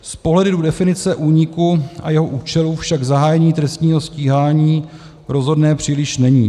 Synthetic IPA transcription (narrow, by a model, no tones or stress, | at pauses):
spoɦlɛdɪdudɛfɪnɪt͡sɛʔuːɲɪkuʔa̰jɛɦo̞ʔuːt͡ʃɛlufʃaɡzaɦaːjɛɲiːt̪ɾɛst̪ɲiːɦo̞sciːɦaːɲiː | ɾo̞zɦo̞dnɛːpr̝̥iːlɪʃnɛɲḭː